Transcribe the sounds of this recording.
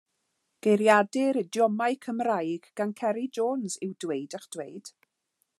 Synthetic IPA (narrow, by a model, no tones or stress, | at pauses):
ɡ̥ejɾjadɪɾɪdjɔmaɨkʰəmrajɡ̥ɡ̥ankʰɛɾid͡ʒoːnzɪwdwejdəχd̥wejd̥